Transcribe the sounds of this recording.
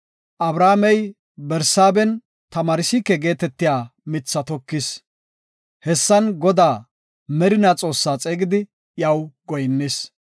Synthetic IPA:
ʔɐbɾaːmɛj | bɛɾsaːbɛn | t̪ɐmaːɾɪsɪkːɛɡe̞ːt̪ɛt̪ːɪjaːmɪt͡sːɐt̪ɔkːɪs | hɛsːɐnɡɔd̪aː | mɛɾɪnat͡sʼo̞ːsːaːt͡sʼeːɡɪd̪ɪ | jɐwɡɔjnːɪs

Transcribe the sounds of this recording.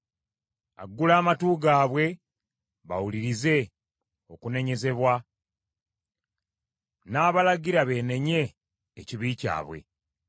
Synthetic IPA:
a̰ɡːulaːmatuːɡaːβwe̞ | βa̰wuliɾize̞ | o̞kune̞ɲe̞ze̞βwa | naːβalaɡiɾaβe̞ːne̞ɲe̞ː | ciβiːca̰ːβwe̞̰

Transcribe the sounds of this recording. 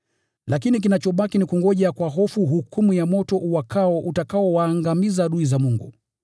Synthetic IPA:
lakinik̬inat͡ʃɔɓakinikuŋɡɔʄakwaɦɔfuɦukumujamɔtɔʔuwakʰaɔʔutakaɔwaːŋɡamizaɗuizamuŋɡṵ

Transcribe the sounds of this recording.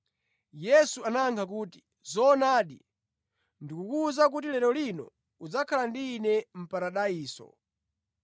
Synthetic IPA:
jɛsuanaŋkʰak̬uːti̥ | zɔːnaːɗḭ | ndikukuzak̬utilɛɾɔlinɔ̰ | ud͡zakʰalandiːnɛm̩paɾaɗaiːsɔ̰

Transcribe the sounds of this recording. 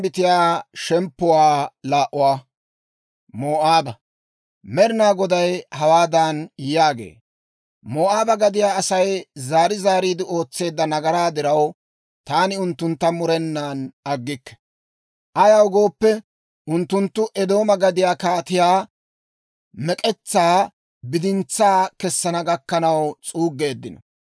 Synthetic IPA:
bɪt̪ɪjaːʃɛmpːʊwaːlaːʔʊwaː | moːʔaːbɐ | mɛɾɪnaːɡɔd̪ɐjhɐwaːd̪anjaːɡḛː | moːʔaːbɐɡɐd̪ɪjaːɐsɐjzaːɾɪzaːɾiːd̪ɪo̞ːt͡sːe̞ːd̪ːɐnɐɡɐɾaːd̪ɪɾɐw | t̪aːnɪʊnt̪ːʊnt̪ːɐmʊɾɛnːaːnɐɡːɪkːɛ̥ | ʔɐjɐwɡo̞ːpːɛ | ʔʊnt̪ːʊnt̪ːʊʔɛd̪o̞ːmɐɡɐd̪ɪjaːkaːt̪ɪjaː | mɛkʼɛt͡sːaː | bɪd̪ɪnt͡sːaːkɛsːɐnɐɡɐkːɐnɐwt͡sʼuːɡːe̞ːd̪ːɪnɔ̰

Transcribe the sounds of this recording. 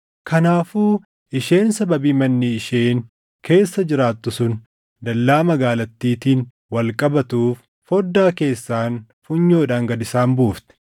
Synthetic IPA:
kʰɐnaːfuː | ɪʃe̞ːnsɐbɐbiːmɐnːiɪʃe̞ːn | kʰe̞ːsːɐd͡ʒɪɾaːt̪ːʊsʊn | d̪ɐlːaːmɐɡaːlɐt̪ːiːt̪iːn | wɐlkʼɐbɐt̪uːfː | ɔd̪ːaːke̞ːsːaːn | fʊɲːoːᶑaːŋɡɐd̪ɪsaːnbuːft̪ɛ̥

